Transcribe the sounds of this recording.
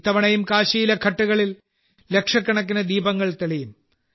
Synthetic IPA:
t̪ːɐʋɐɳɐjumkaːɕijilɐkʰɐʈːuɣɐɭil | lekʂɐkːɐɳɐk̬ːinɐd̪iːbɐŋːɐɭt̪eɭijum

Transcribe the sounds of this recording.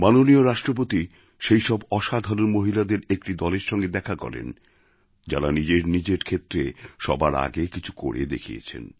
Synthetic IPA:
manonioɾaʃʈɾop̬ot̪i | ʃejʃɔbɔʃad̪ʱaɾonmoɦilad̪eɾek̚ʈid̪ɔleɾʃɔŋɡed̪ɛkʰakɔ̰ɾḛn | d͡ʑa̰ɾanid͡ʑeɾnid͡ʑeɾkʰet̪ːɾeʃɔbaɾa̰ɡekit͡ɕʰuko̰ɽḛd̪ekʰḭjḛt͡ɕʰḛn

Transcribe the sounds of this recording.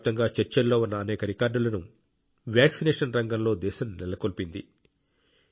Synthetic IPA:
t̪ɐŋɡaːt͡ʃɐɾt͡ʃɐlːo̞ːunːɐːnɛːkɐɾikaːɾɖulɐnu | ʋjaːksineːʂɐnɾɐŋɡɐmlo̞ːd̪ɛːʃɐmnilɐkolpind̪ḭ

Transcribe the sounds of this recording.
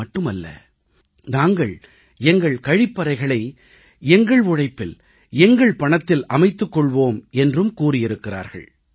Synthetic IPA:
ɐʈːɯmɐlːɐ̰ | naːŋɡɐɭ | ɛŋɡɐɭkɐɻɪpːɐɾɐɪɣɐɭɐɪ | ɛŋɡɐɭʊɻɐɪpːɪl | ɛŋɡɐɭpɐɳɐt̪ːɪlɐmɐɪt̪ːɯkːɔɭʋoːmɛndrɯmkuːrɪjɪɾɯkːɪra̰ːɾɣɐ̰ɭ

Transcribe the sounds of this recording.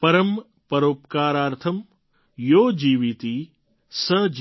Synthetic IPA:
pɐɾɐm | pɐɾoːpkaːɾaːɾt̪ʰɐm | joːd͡ʒiːʋit̪i | sɐd͡ʒ

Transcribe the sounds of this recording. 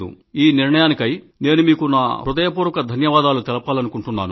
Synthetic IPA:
ṵ | iːniɾɳɐjaːnikɐj | ne̞ːnumiːkunaːɾud̪ɐjɐpuːɾɐkɐd̪ʱɐnjɐʋaːd̪aːlut̪ɛlɐpaːlɐnukuɳʈunːaːnu

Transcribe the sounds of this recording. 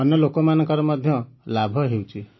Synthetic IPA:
ɔnjɔlokɔmanɔ̃ŋkɔɾɔmɔd̪ʱjɔlabʱɔɦewt͡ʃʰi

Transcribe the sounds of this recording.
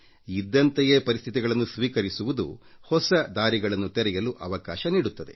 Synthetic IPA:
id̪ːɐnt̪ejeːpɐɾist̪ʰit̪iɡɐɭɐnːusʋiːkɐɾisuʋud̪ṵhɔsɐd̪aːɾiɡɐɭɐnːut̪ɛɾɛjɐluʔɐʋɐka̰ːʃɐniːɽut̪ːɐd̪e̞

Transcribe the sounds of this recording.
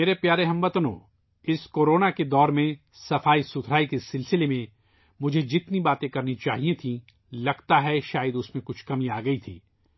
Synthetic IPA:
meːɾepjaːɾeɦɐmbɐt̪nõ̰ː | ɪskoːɾoːnaked̪ɔːɾmẽ | sɐfaːisʊt̪ʰɾaːikesɪlsɪlemẽ | mʊd͡ʒʱed͡ʒɪt̪nibaːt̪ẽkɐɾnit͡ʃa̰ːɦiẽt̪ʰĩ | lɐɡt̪aɦɛʃaːjəd̪ʊsmẽkʊt͡ʃʰkɐmĩaːɡɐit̪ʰḭː

